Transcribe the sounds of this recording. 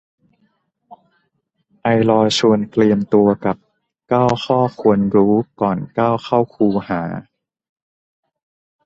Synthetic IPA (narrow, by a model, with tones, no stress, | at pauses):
ʔa˧jlɔː˧t͡ɕʰu˧ənt̪li˧əmt̪u˧ɐka˨˩p̚ | kaː˥˩wxʰɔː˥˩kʰu˧ənɾuː˦˥kɔː˨˩nkaː˥˩wxʰa˥˩wkʰuː˧haː˩˦